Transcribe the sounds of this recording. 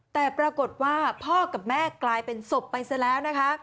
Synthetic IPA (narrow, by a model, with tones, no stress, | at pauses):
t̪ɛː˨˩pɾa˧ko˨˩t̪̚waː˥˩pʰɔː˥˩ka˨˩p̚mɛː˥˩klaː˧jpe˧nso˨˩pːa˧jsa˧˥lɛː˦˥wna˦˥kʰa˦˥